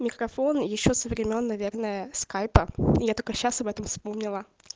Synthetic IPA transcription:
mʲɪkɾɐfo̞njɪɕːo̞səvɾʲɪmʲonːɐvʲe̞rnəjəskajpəɪjat̪o̞lʲkəɕːasɐbɛt̪əmfspo̞mnʲɪlˠə

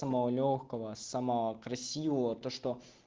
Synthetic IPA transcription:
əmɐvolʲoxkəvəsaməvəkɾɐsʲivəvət̪oʂt̪o

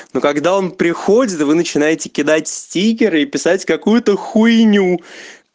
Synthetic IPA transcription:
nokɐɡd̪ao̞npɾʲɪxo̞dʲɪt̪vɨnət͡ɕɪnajɪtʲɪ̥kʲɪd̪atʲsʲtʲik̬ʲɪɾɨipʲɪsatʲkɐkujʊt̪əxʊjnʲu

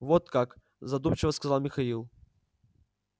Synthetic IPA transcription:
vot̪kak | zɐd̪umt͡ɕɪvəskɐzalˠmʲɪxɐilˠ

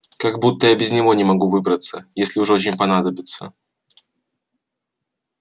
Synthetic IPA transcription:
kaɡbut̪ːəjabʲɪzʲnʲɪvo̞nʲɪmɐɡuvɨbɾət̪səjesʲlʲɪʊʐot͡ɕʲɪnʲpɐnad̪əbʲɪt̪sə̰

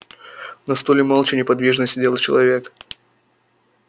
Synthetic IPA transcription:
nɐst̪olʲɪmalˠt͡ɕɪnʲɪpɐd̪vʲiʐnəsʲtʲdʲelˠt͡ɕɪlˠɐvʲe̞k

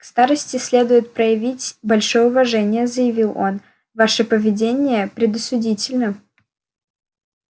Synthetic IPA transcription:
kst̪aɾəsʲtʲɪsʲlʲe̞d̪ʊjɪt̪̚pɾəjɪvʲitʲbɐlʲʂojəʊvɐʐɛnʲɪjəzəjɪvʲilˠo̞̰n | vaʂɨpəvʲɪdʲenʲɪjəpɾʲɪd̪ʊsʲʊdʲitʲɪlʲnə

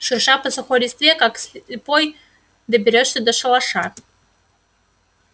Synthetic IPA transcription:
ʂɨrʂapʰasaχʷoɾʲist̪vʲekʼaksɪpʼoj | d̪abʲeɾʲoʂsʲɐd̪aʂɐlaʂar

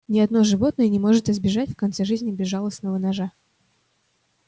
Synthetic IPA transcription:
nʲɪɐd̪no̞ʐɨvo̞t̪̚nəjənʲɪmo̞ʐɨt̪ɪzbʲɪʐatʲfkɐnt̪sɛʐɨzʲnʲɪbʲɪʐːɑlˠəsnəvənɐʐa

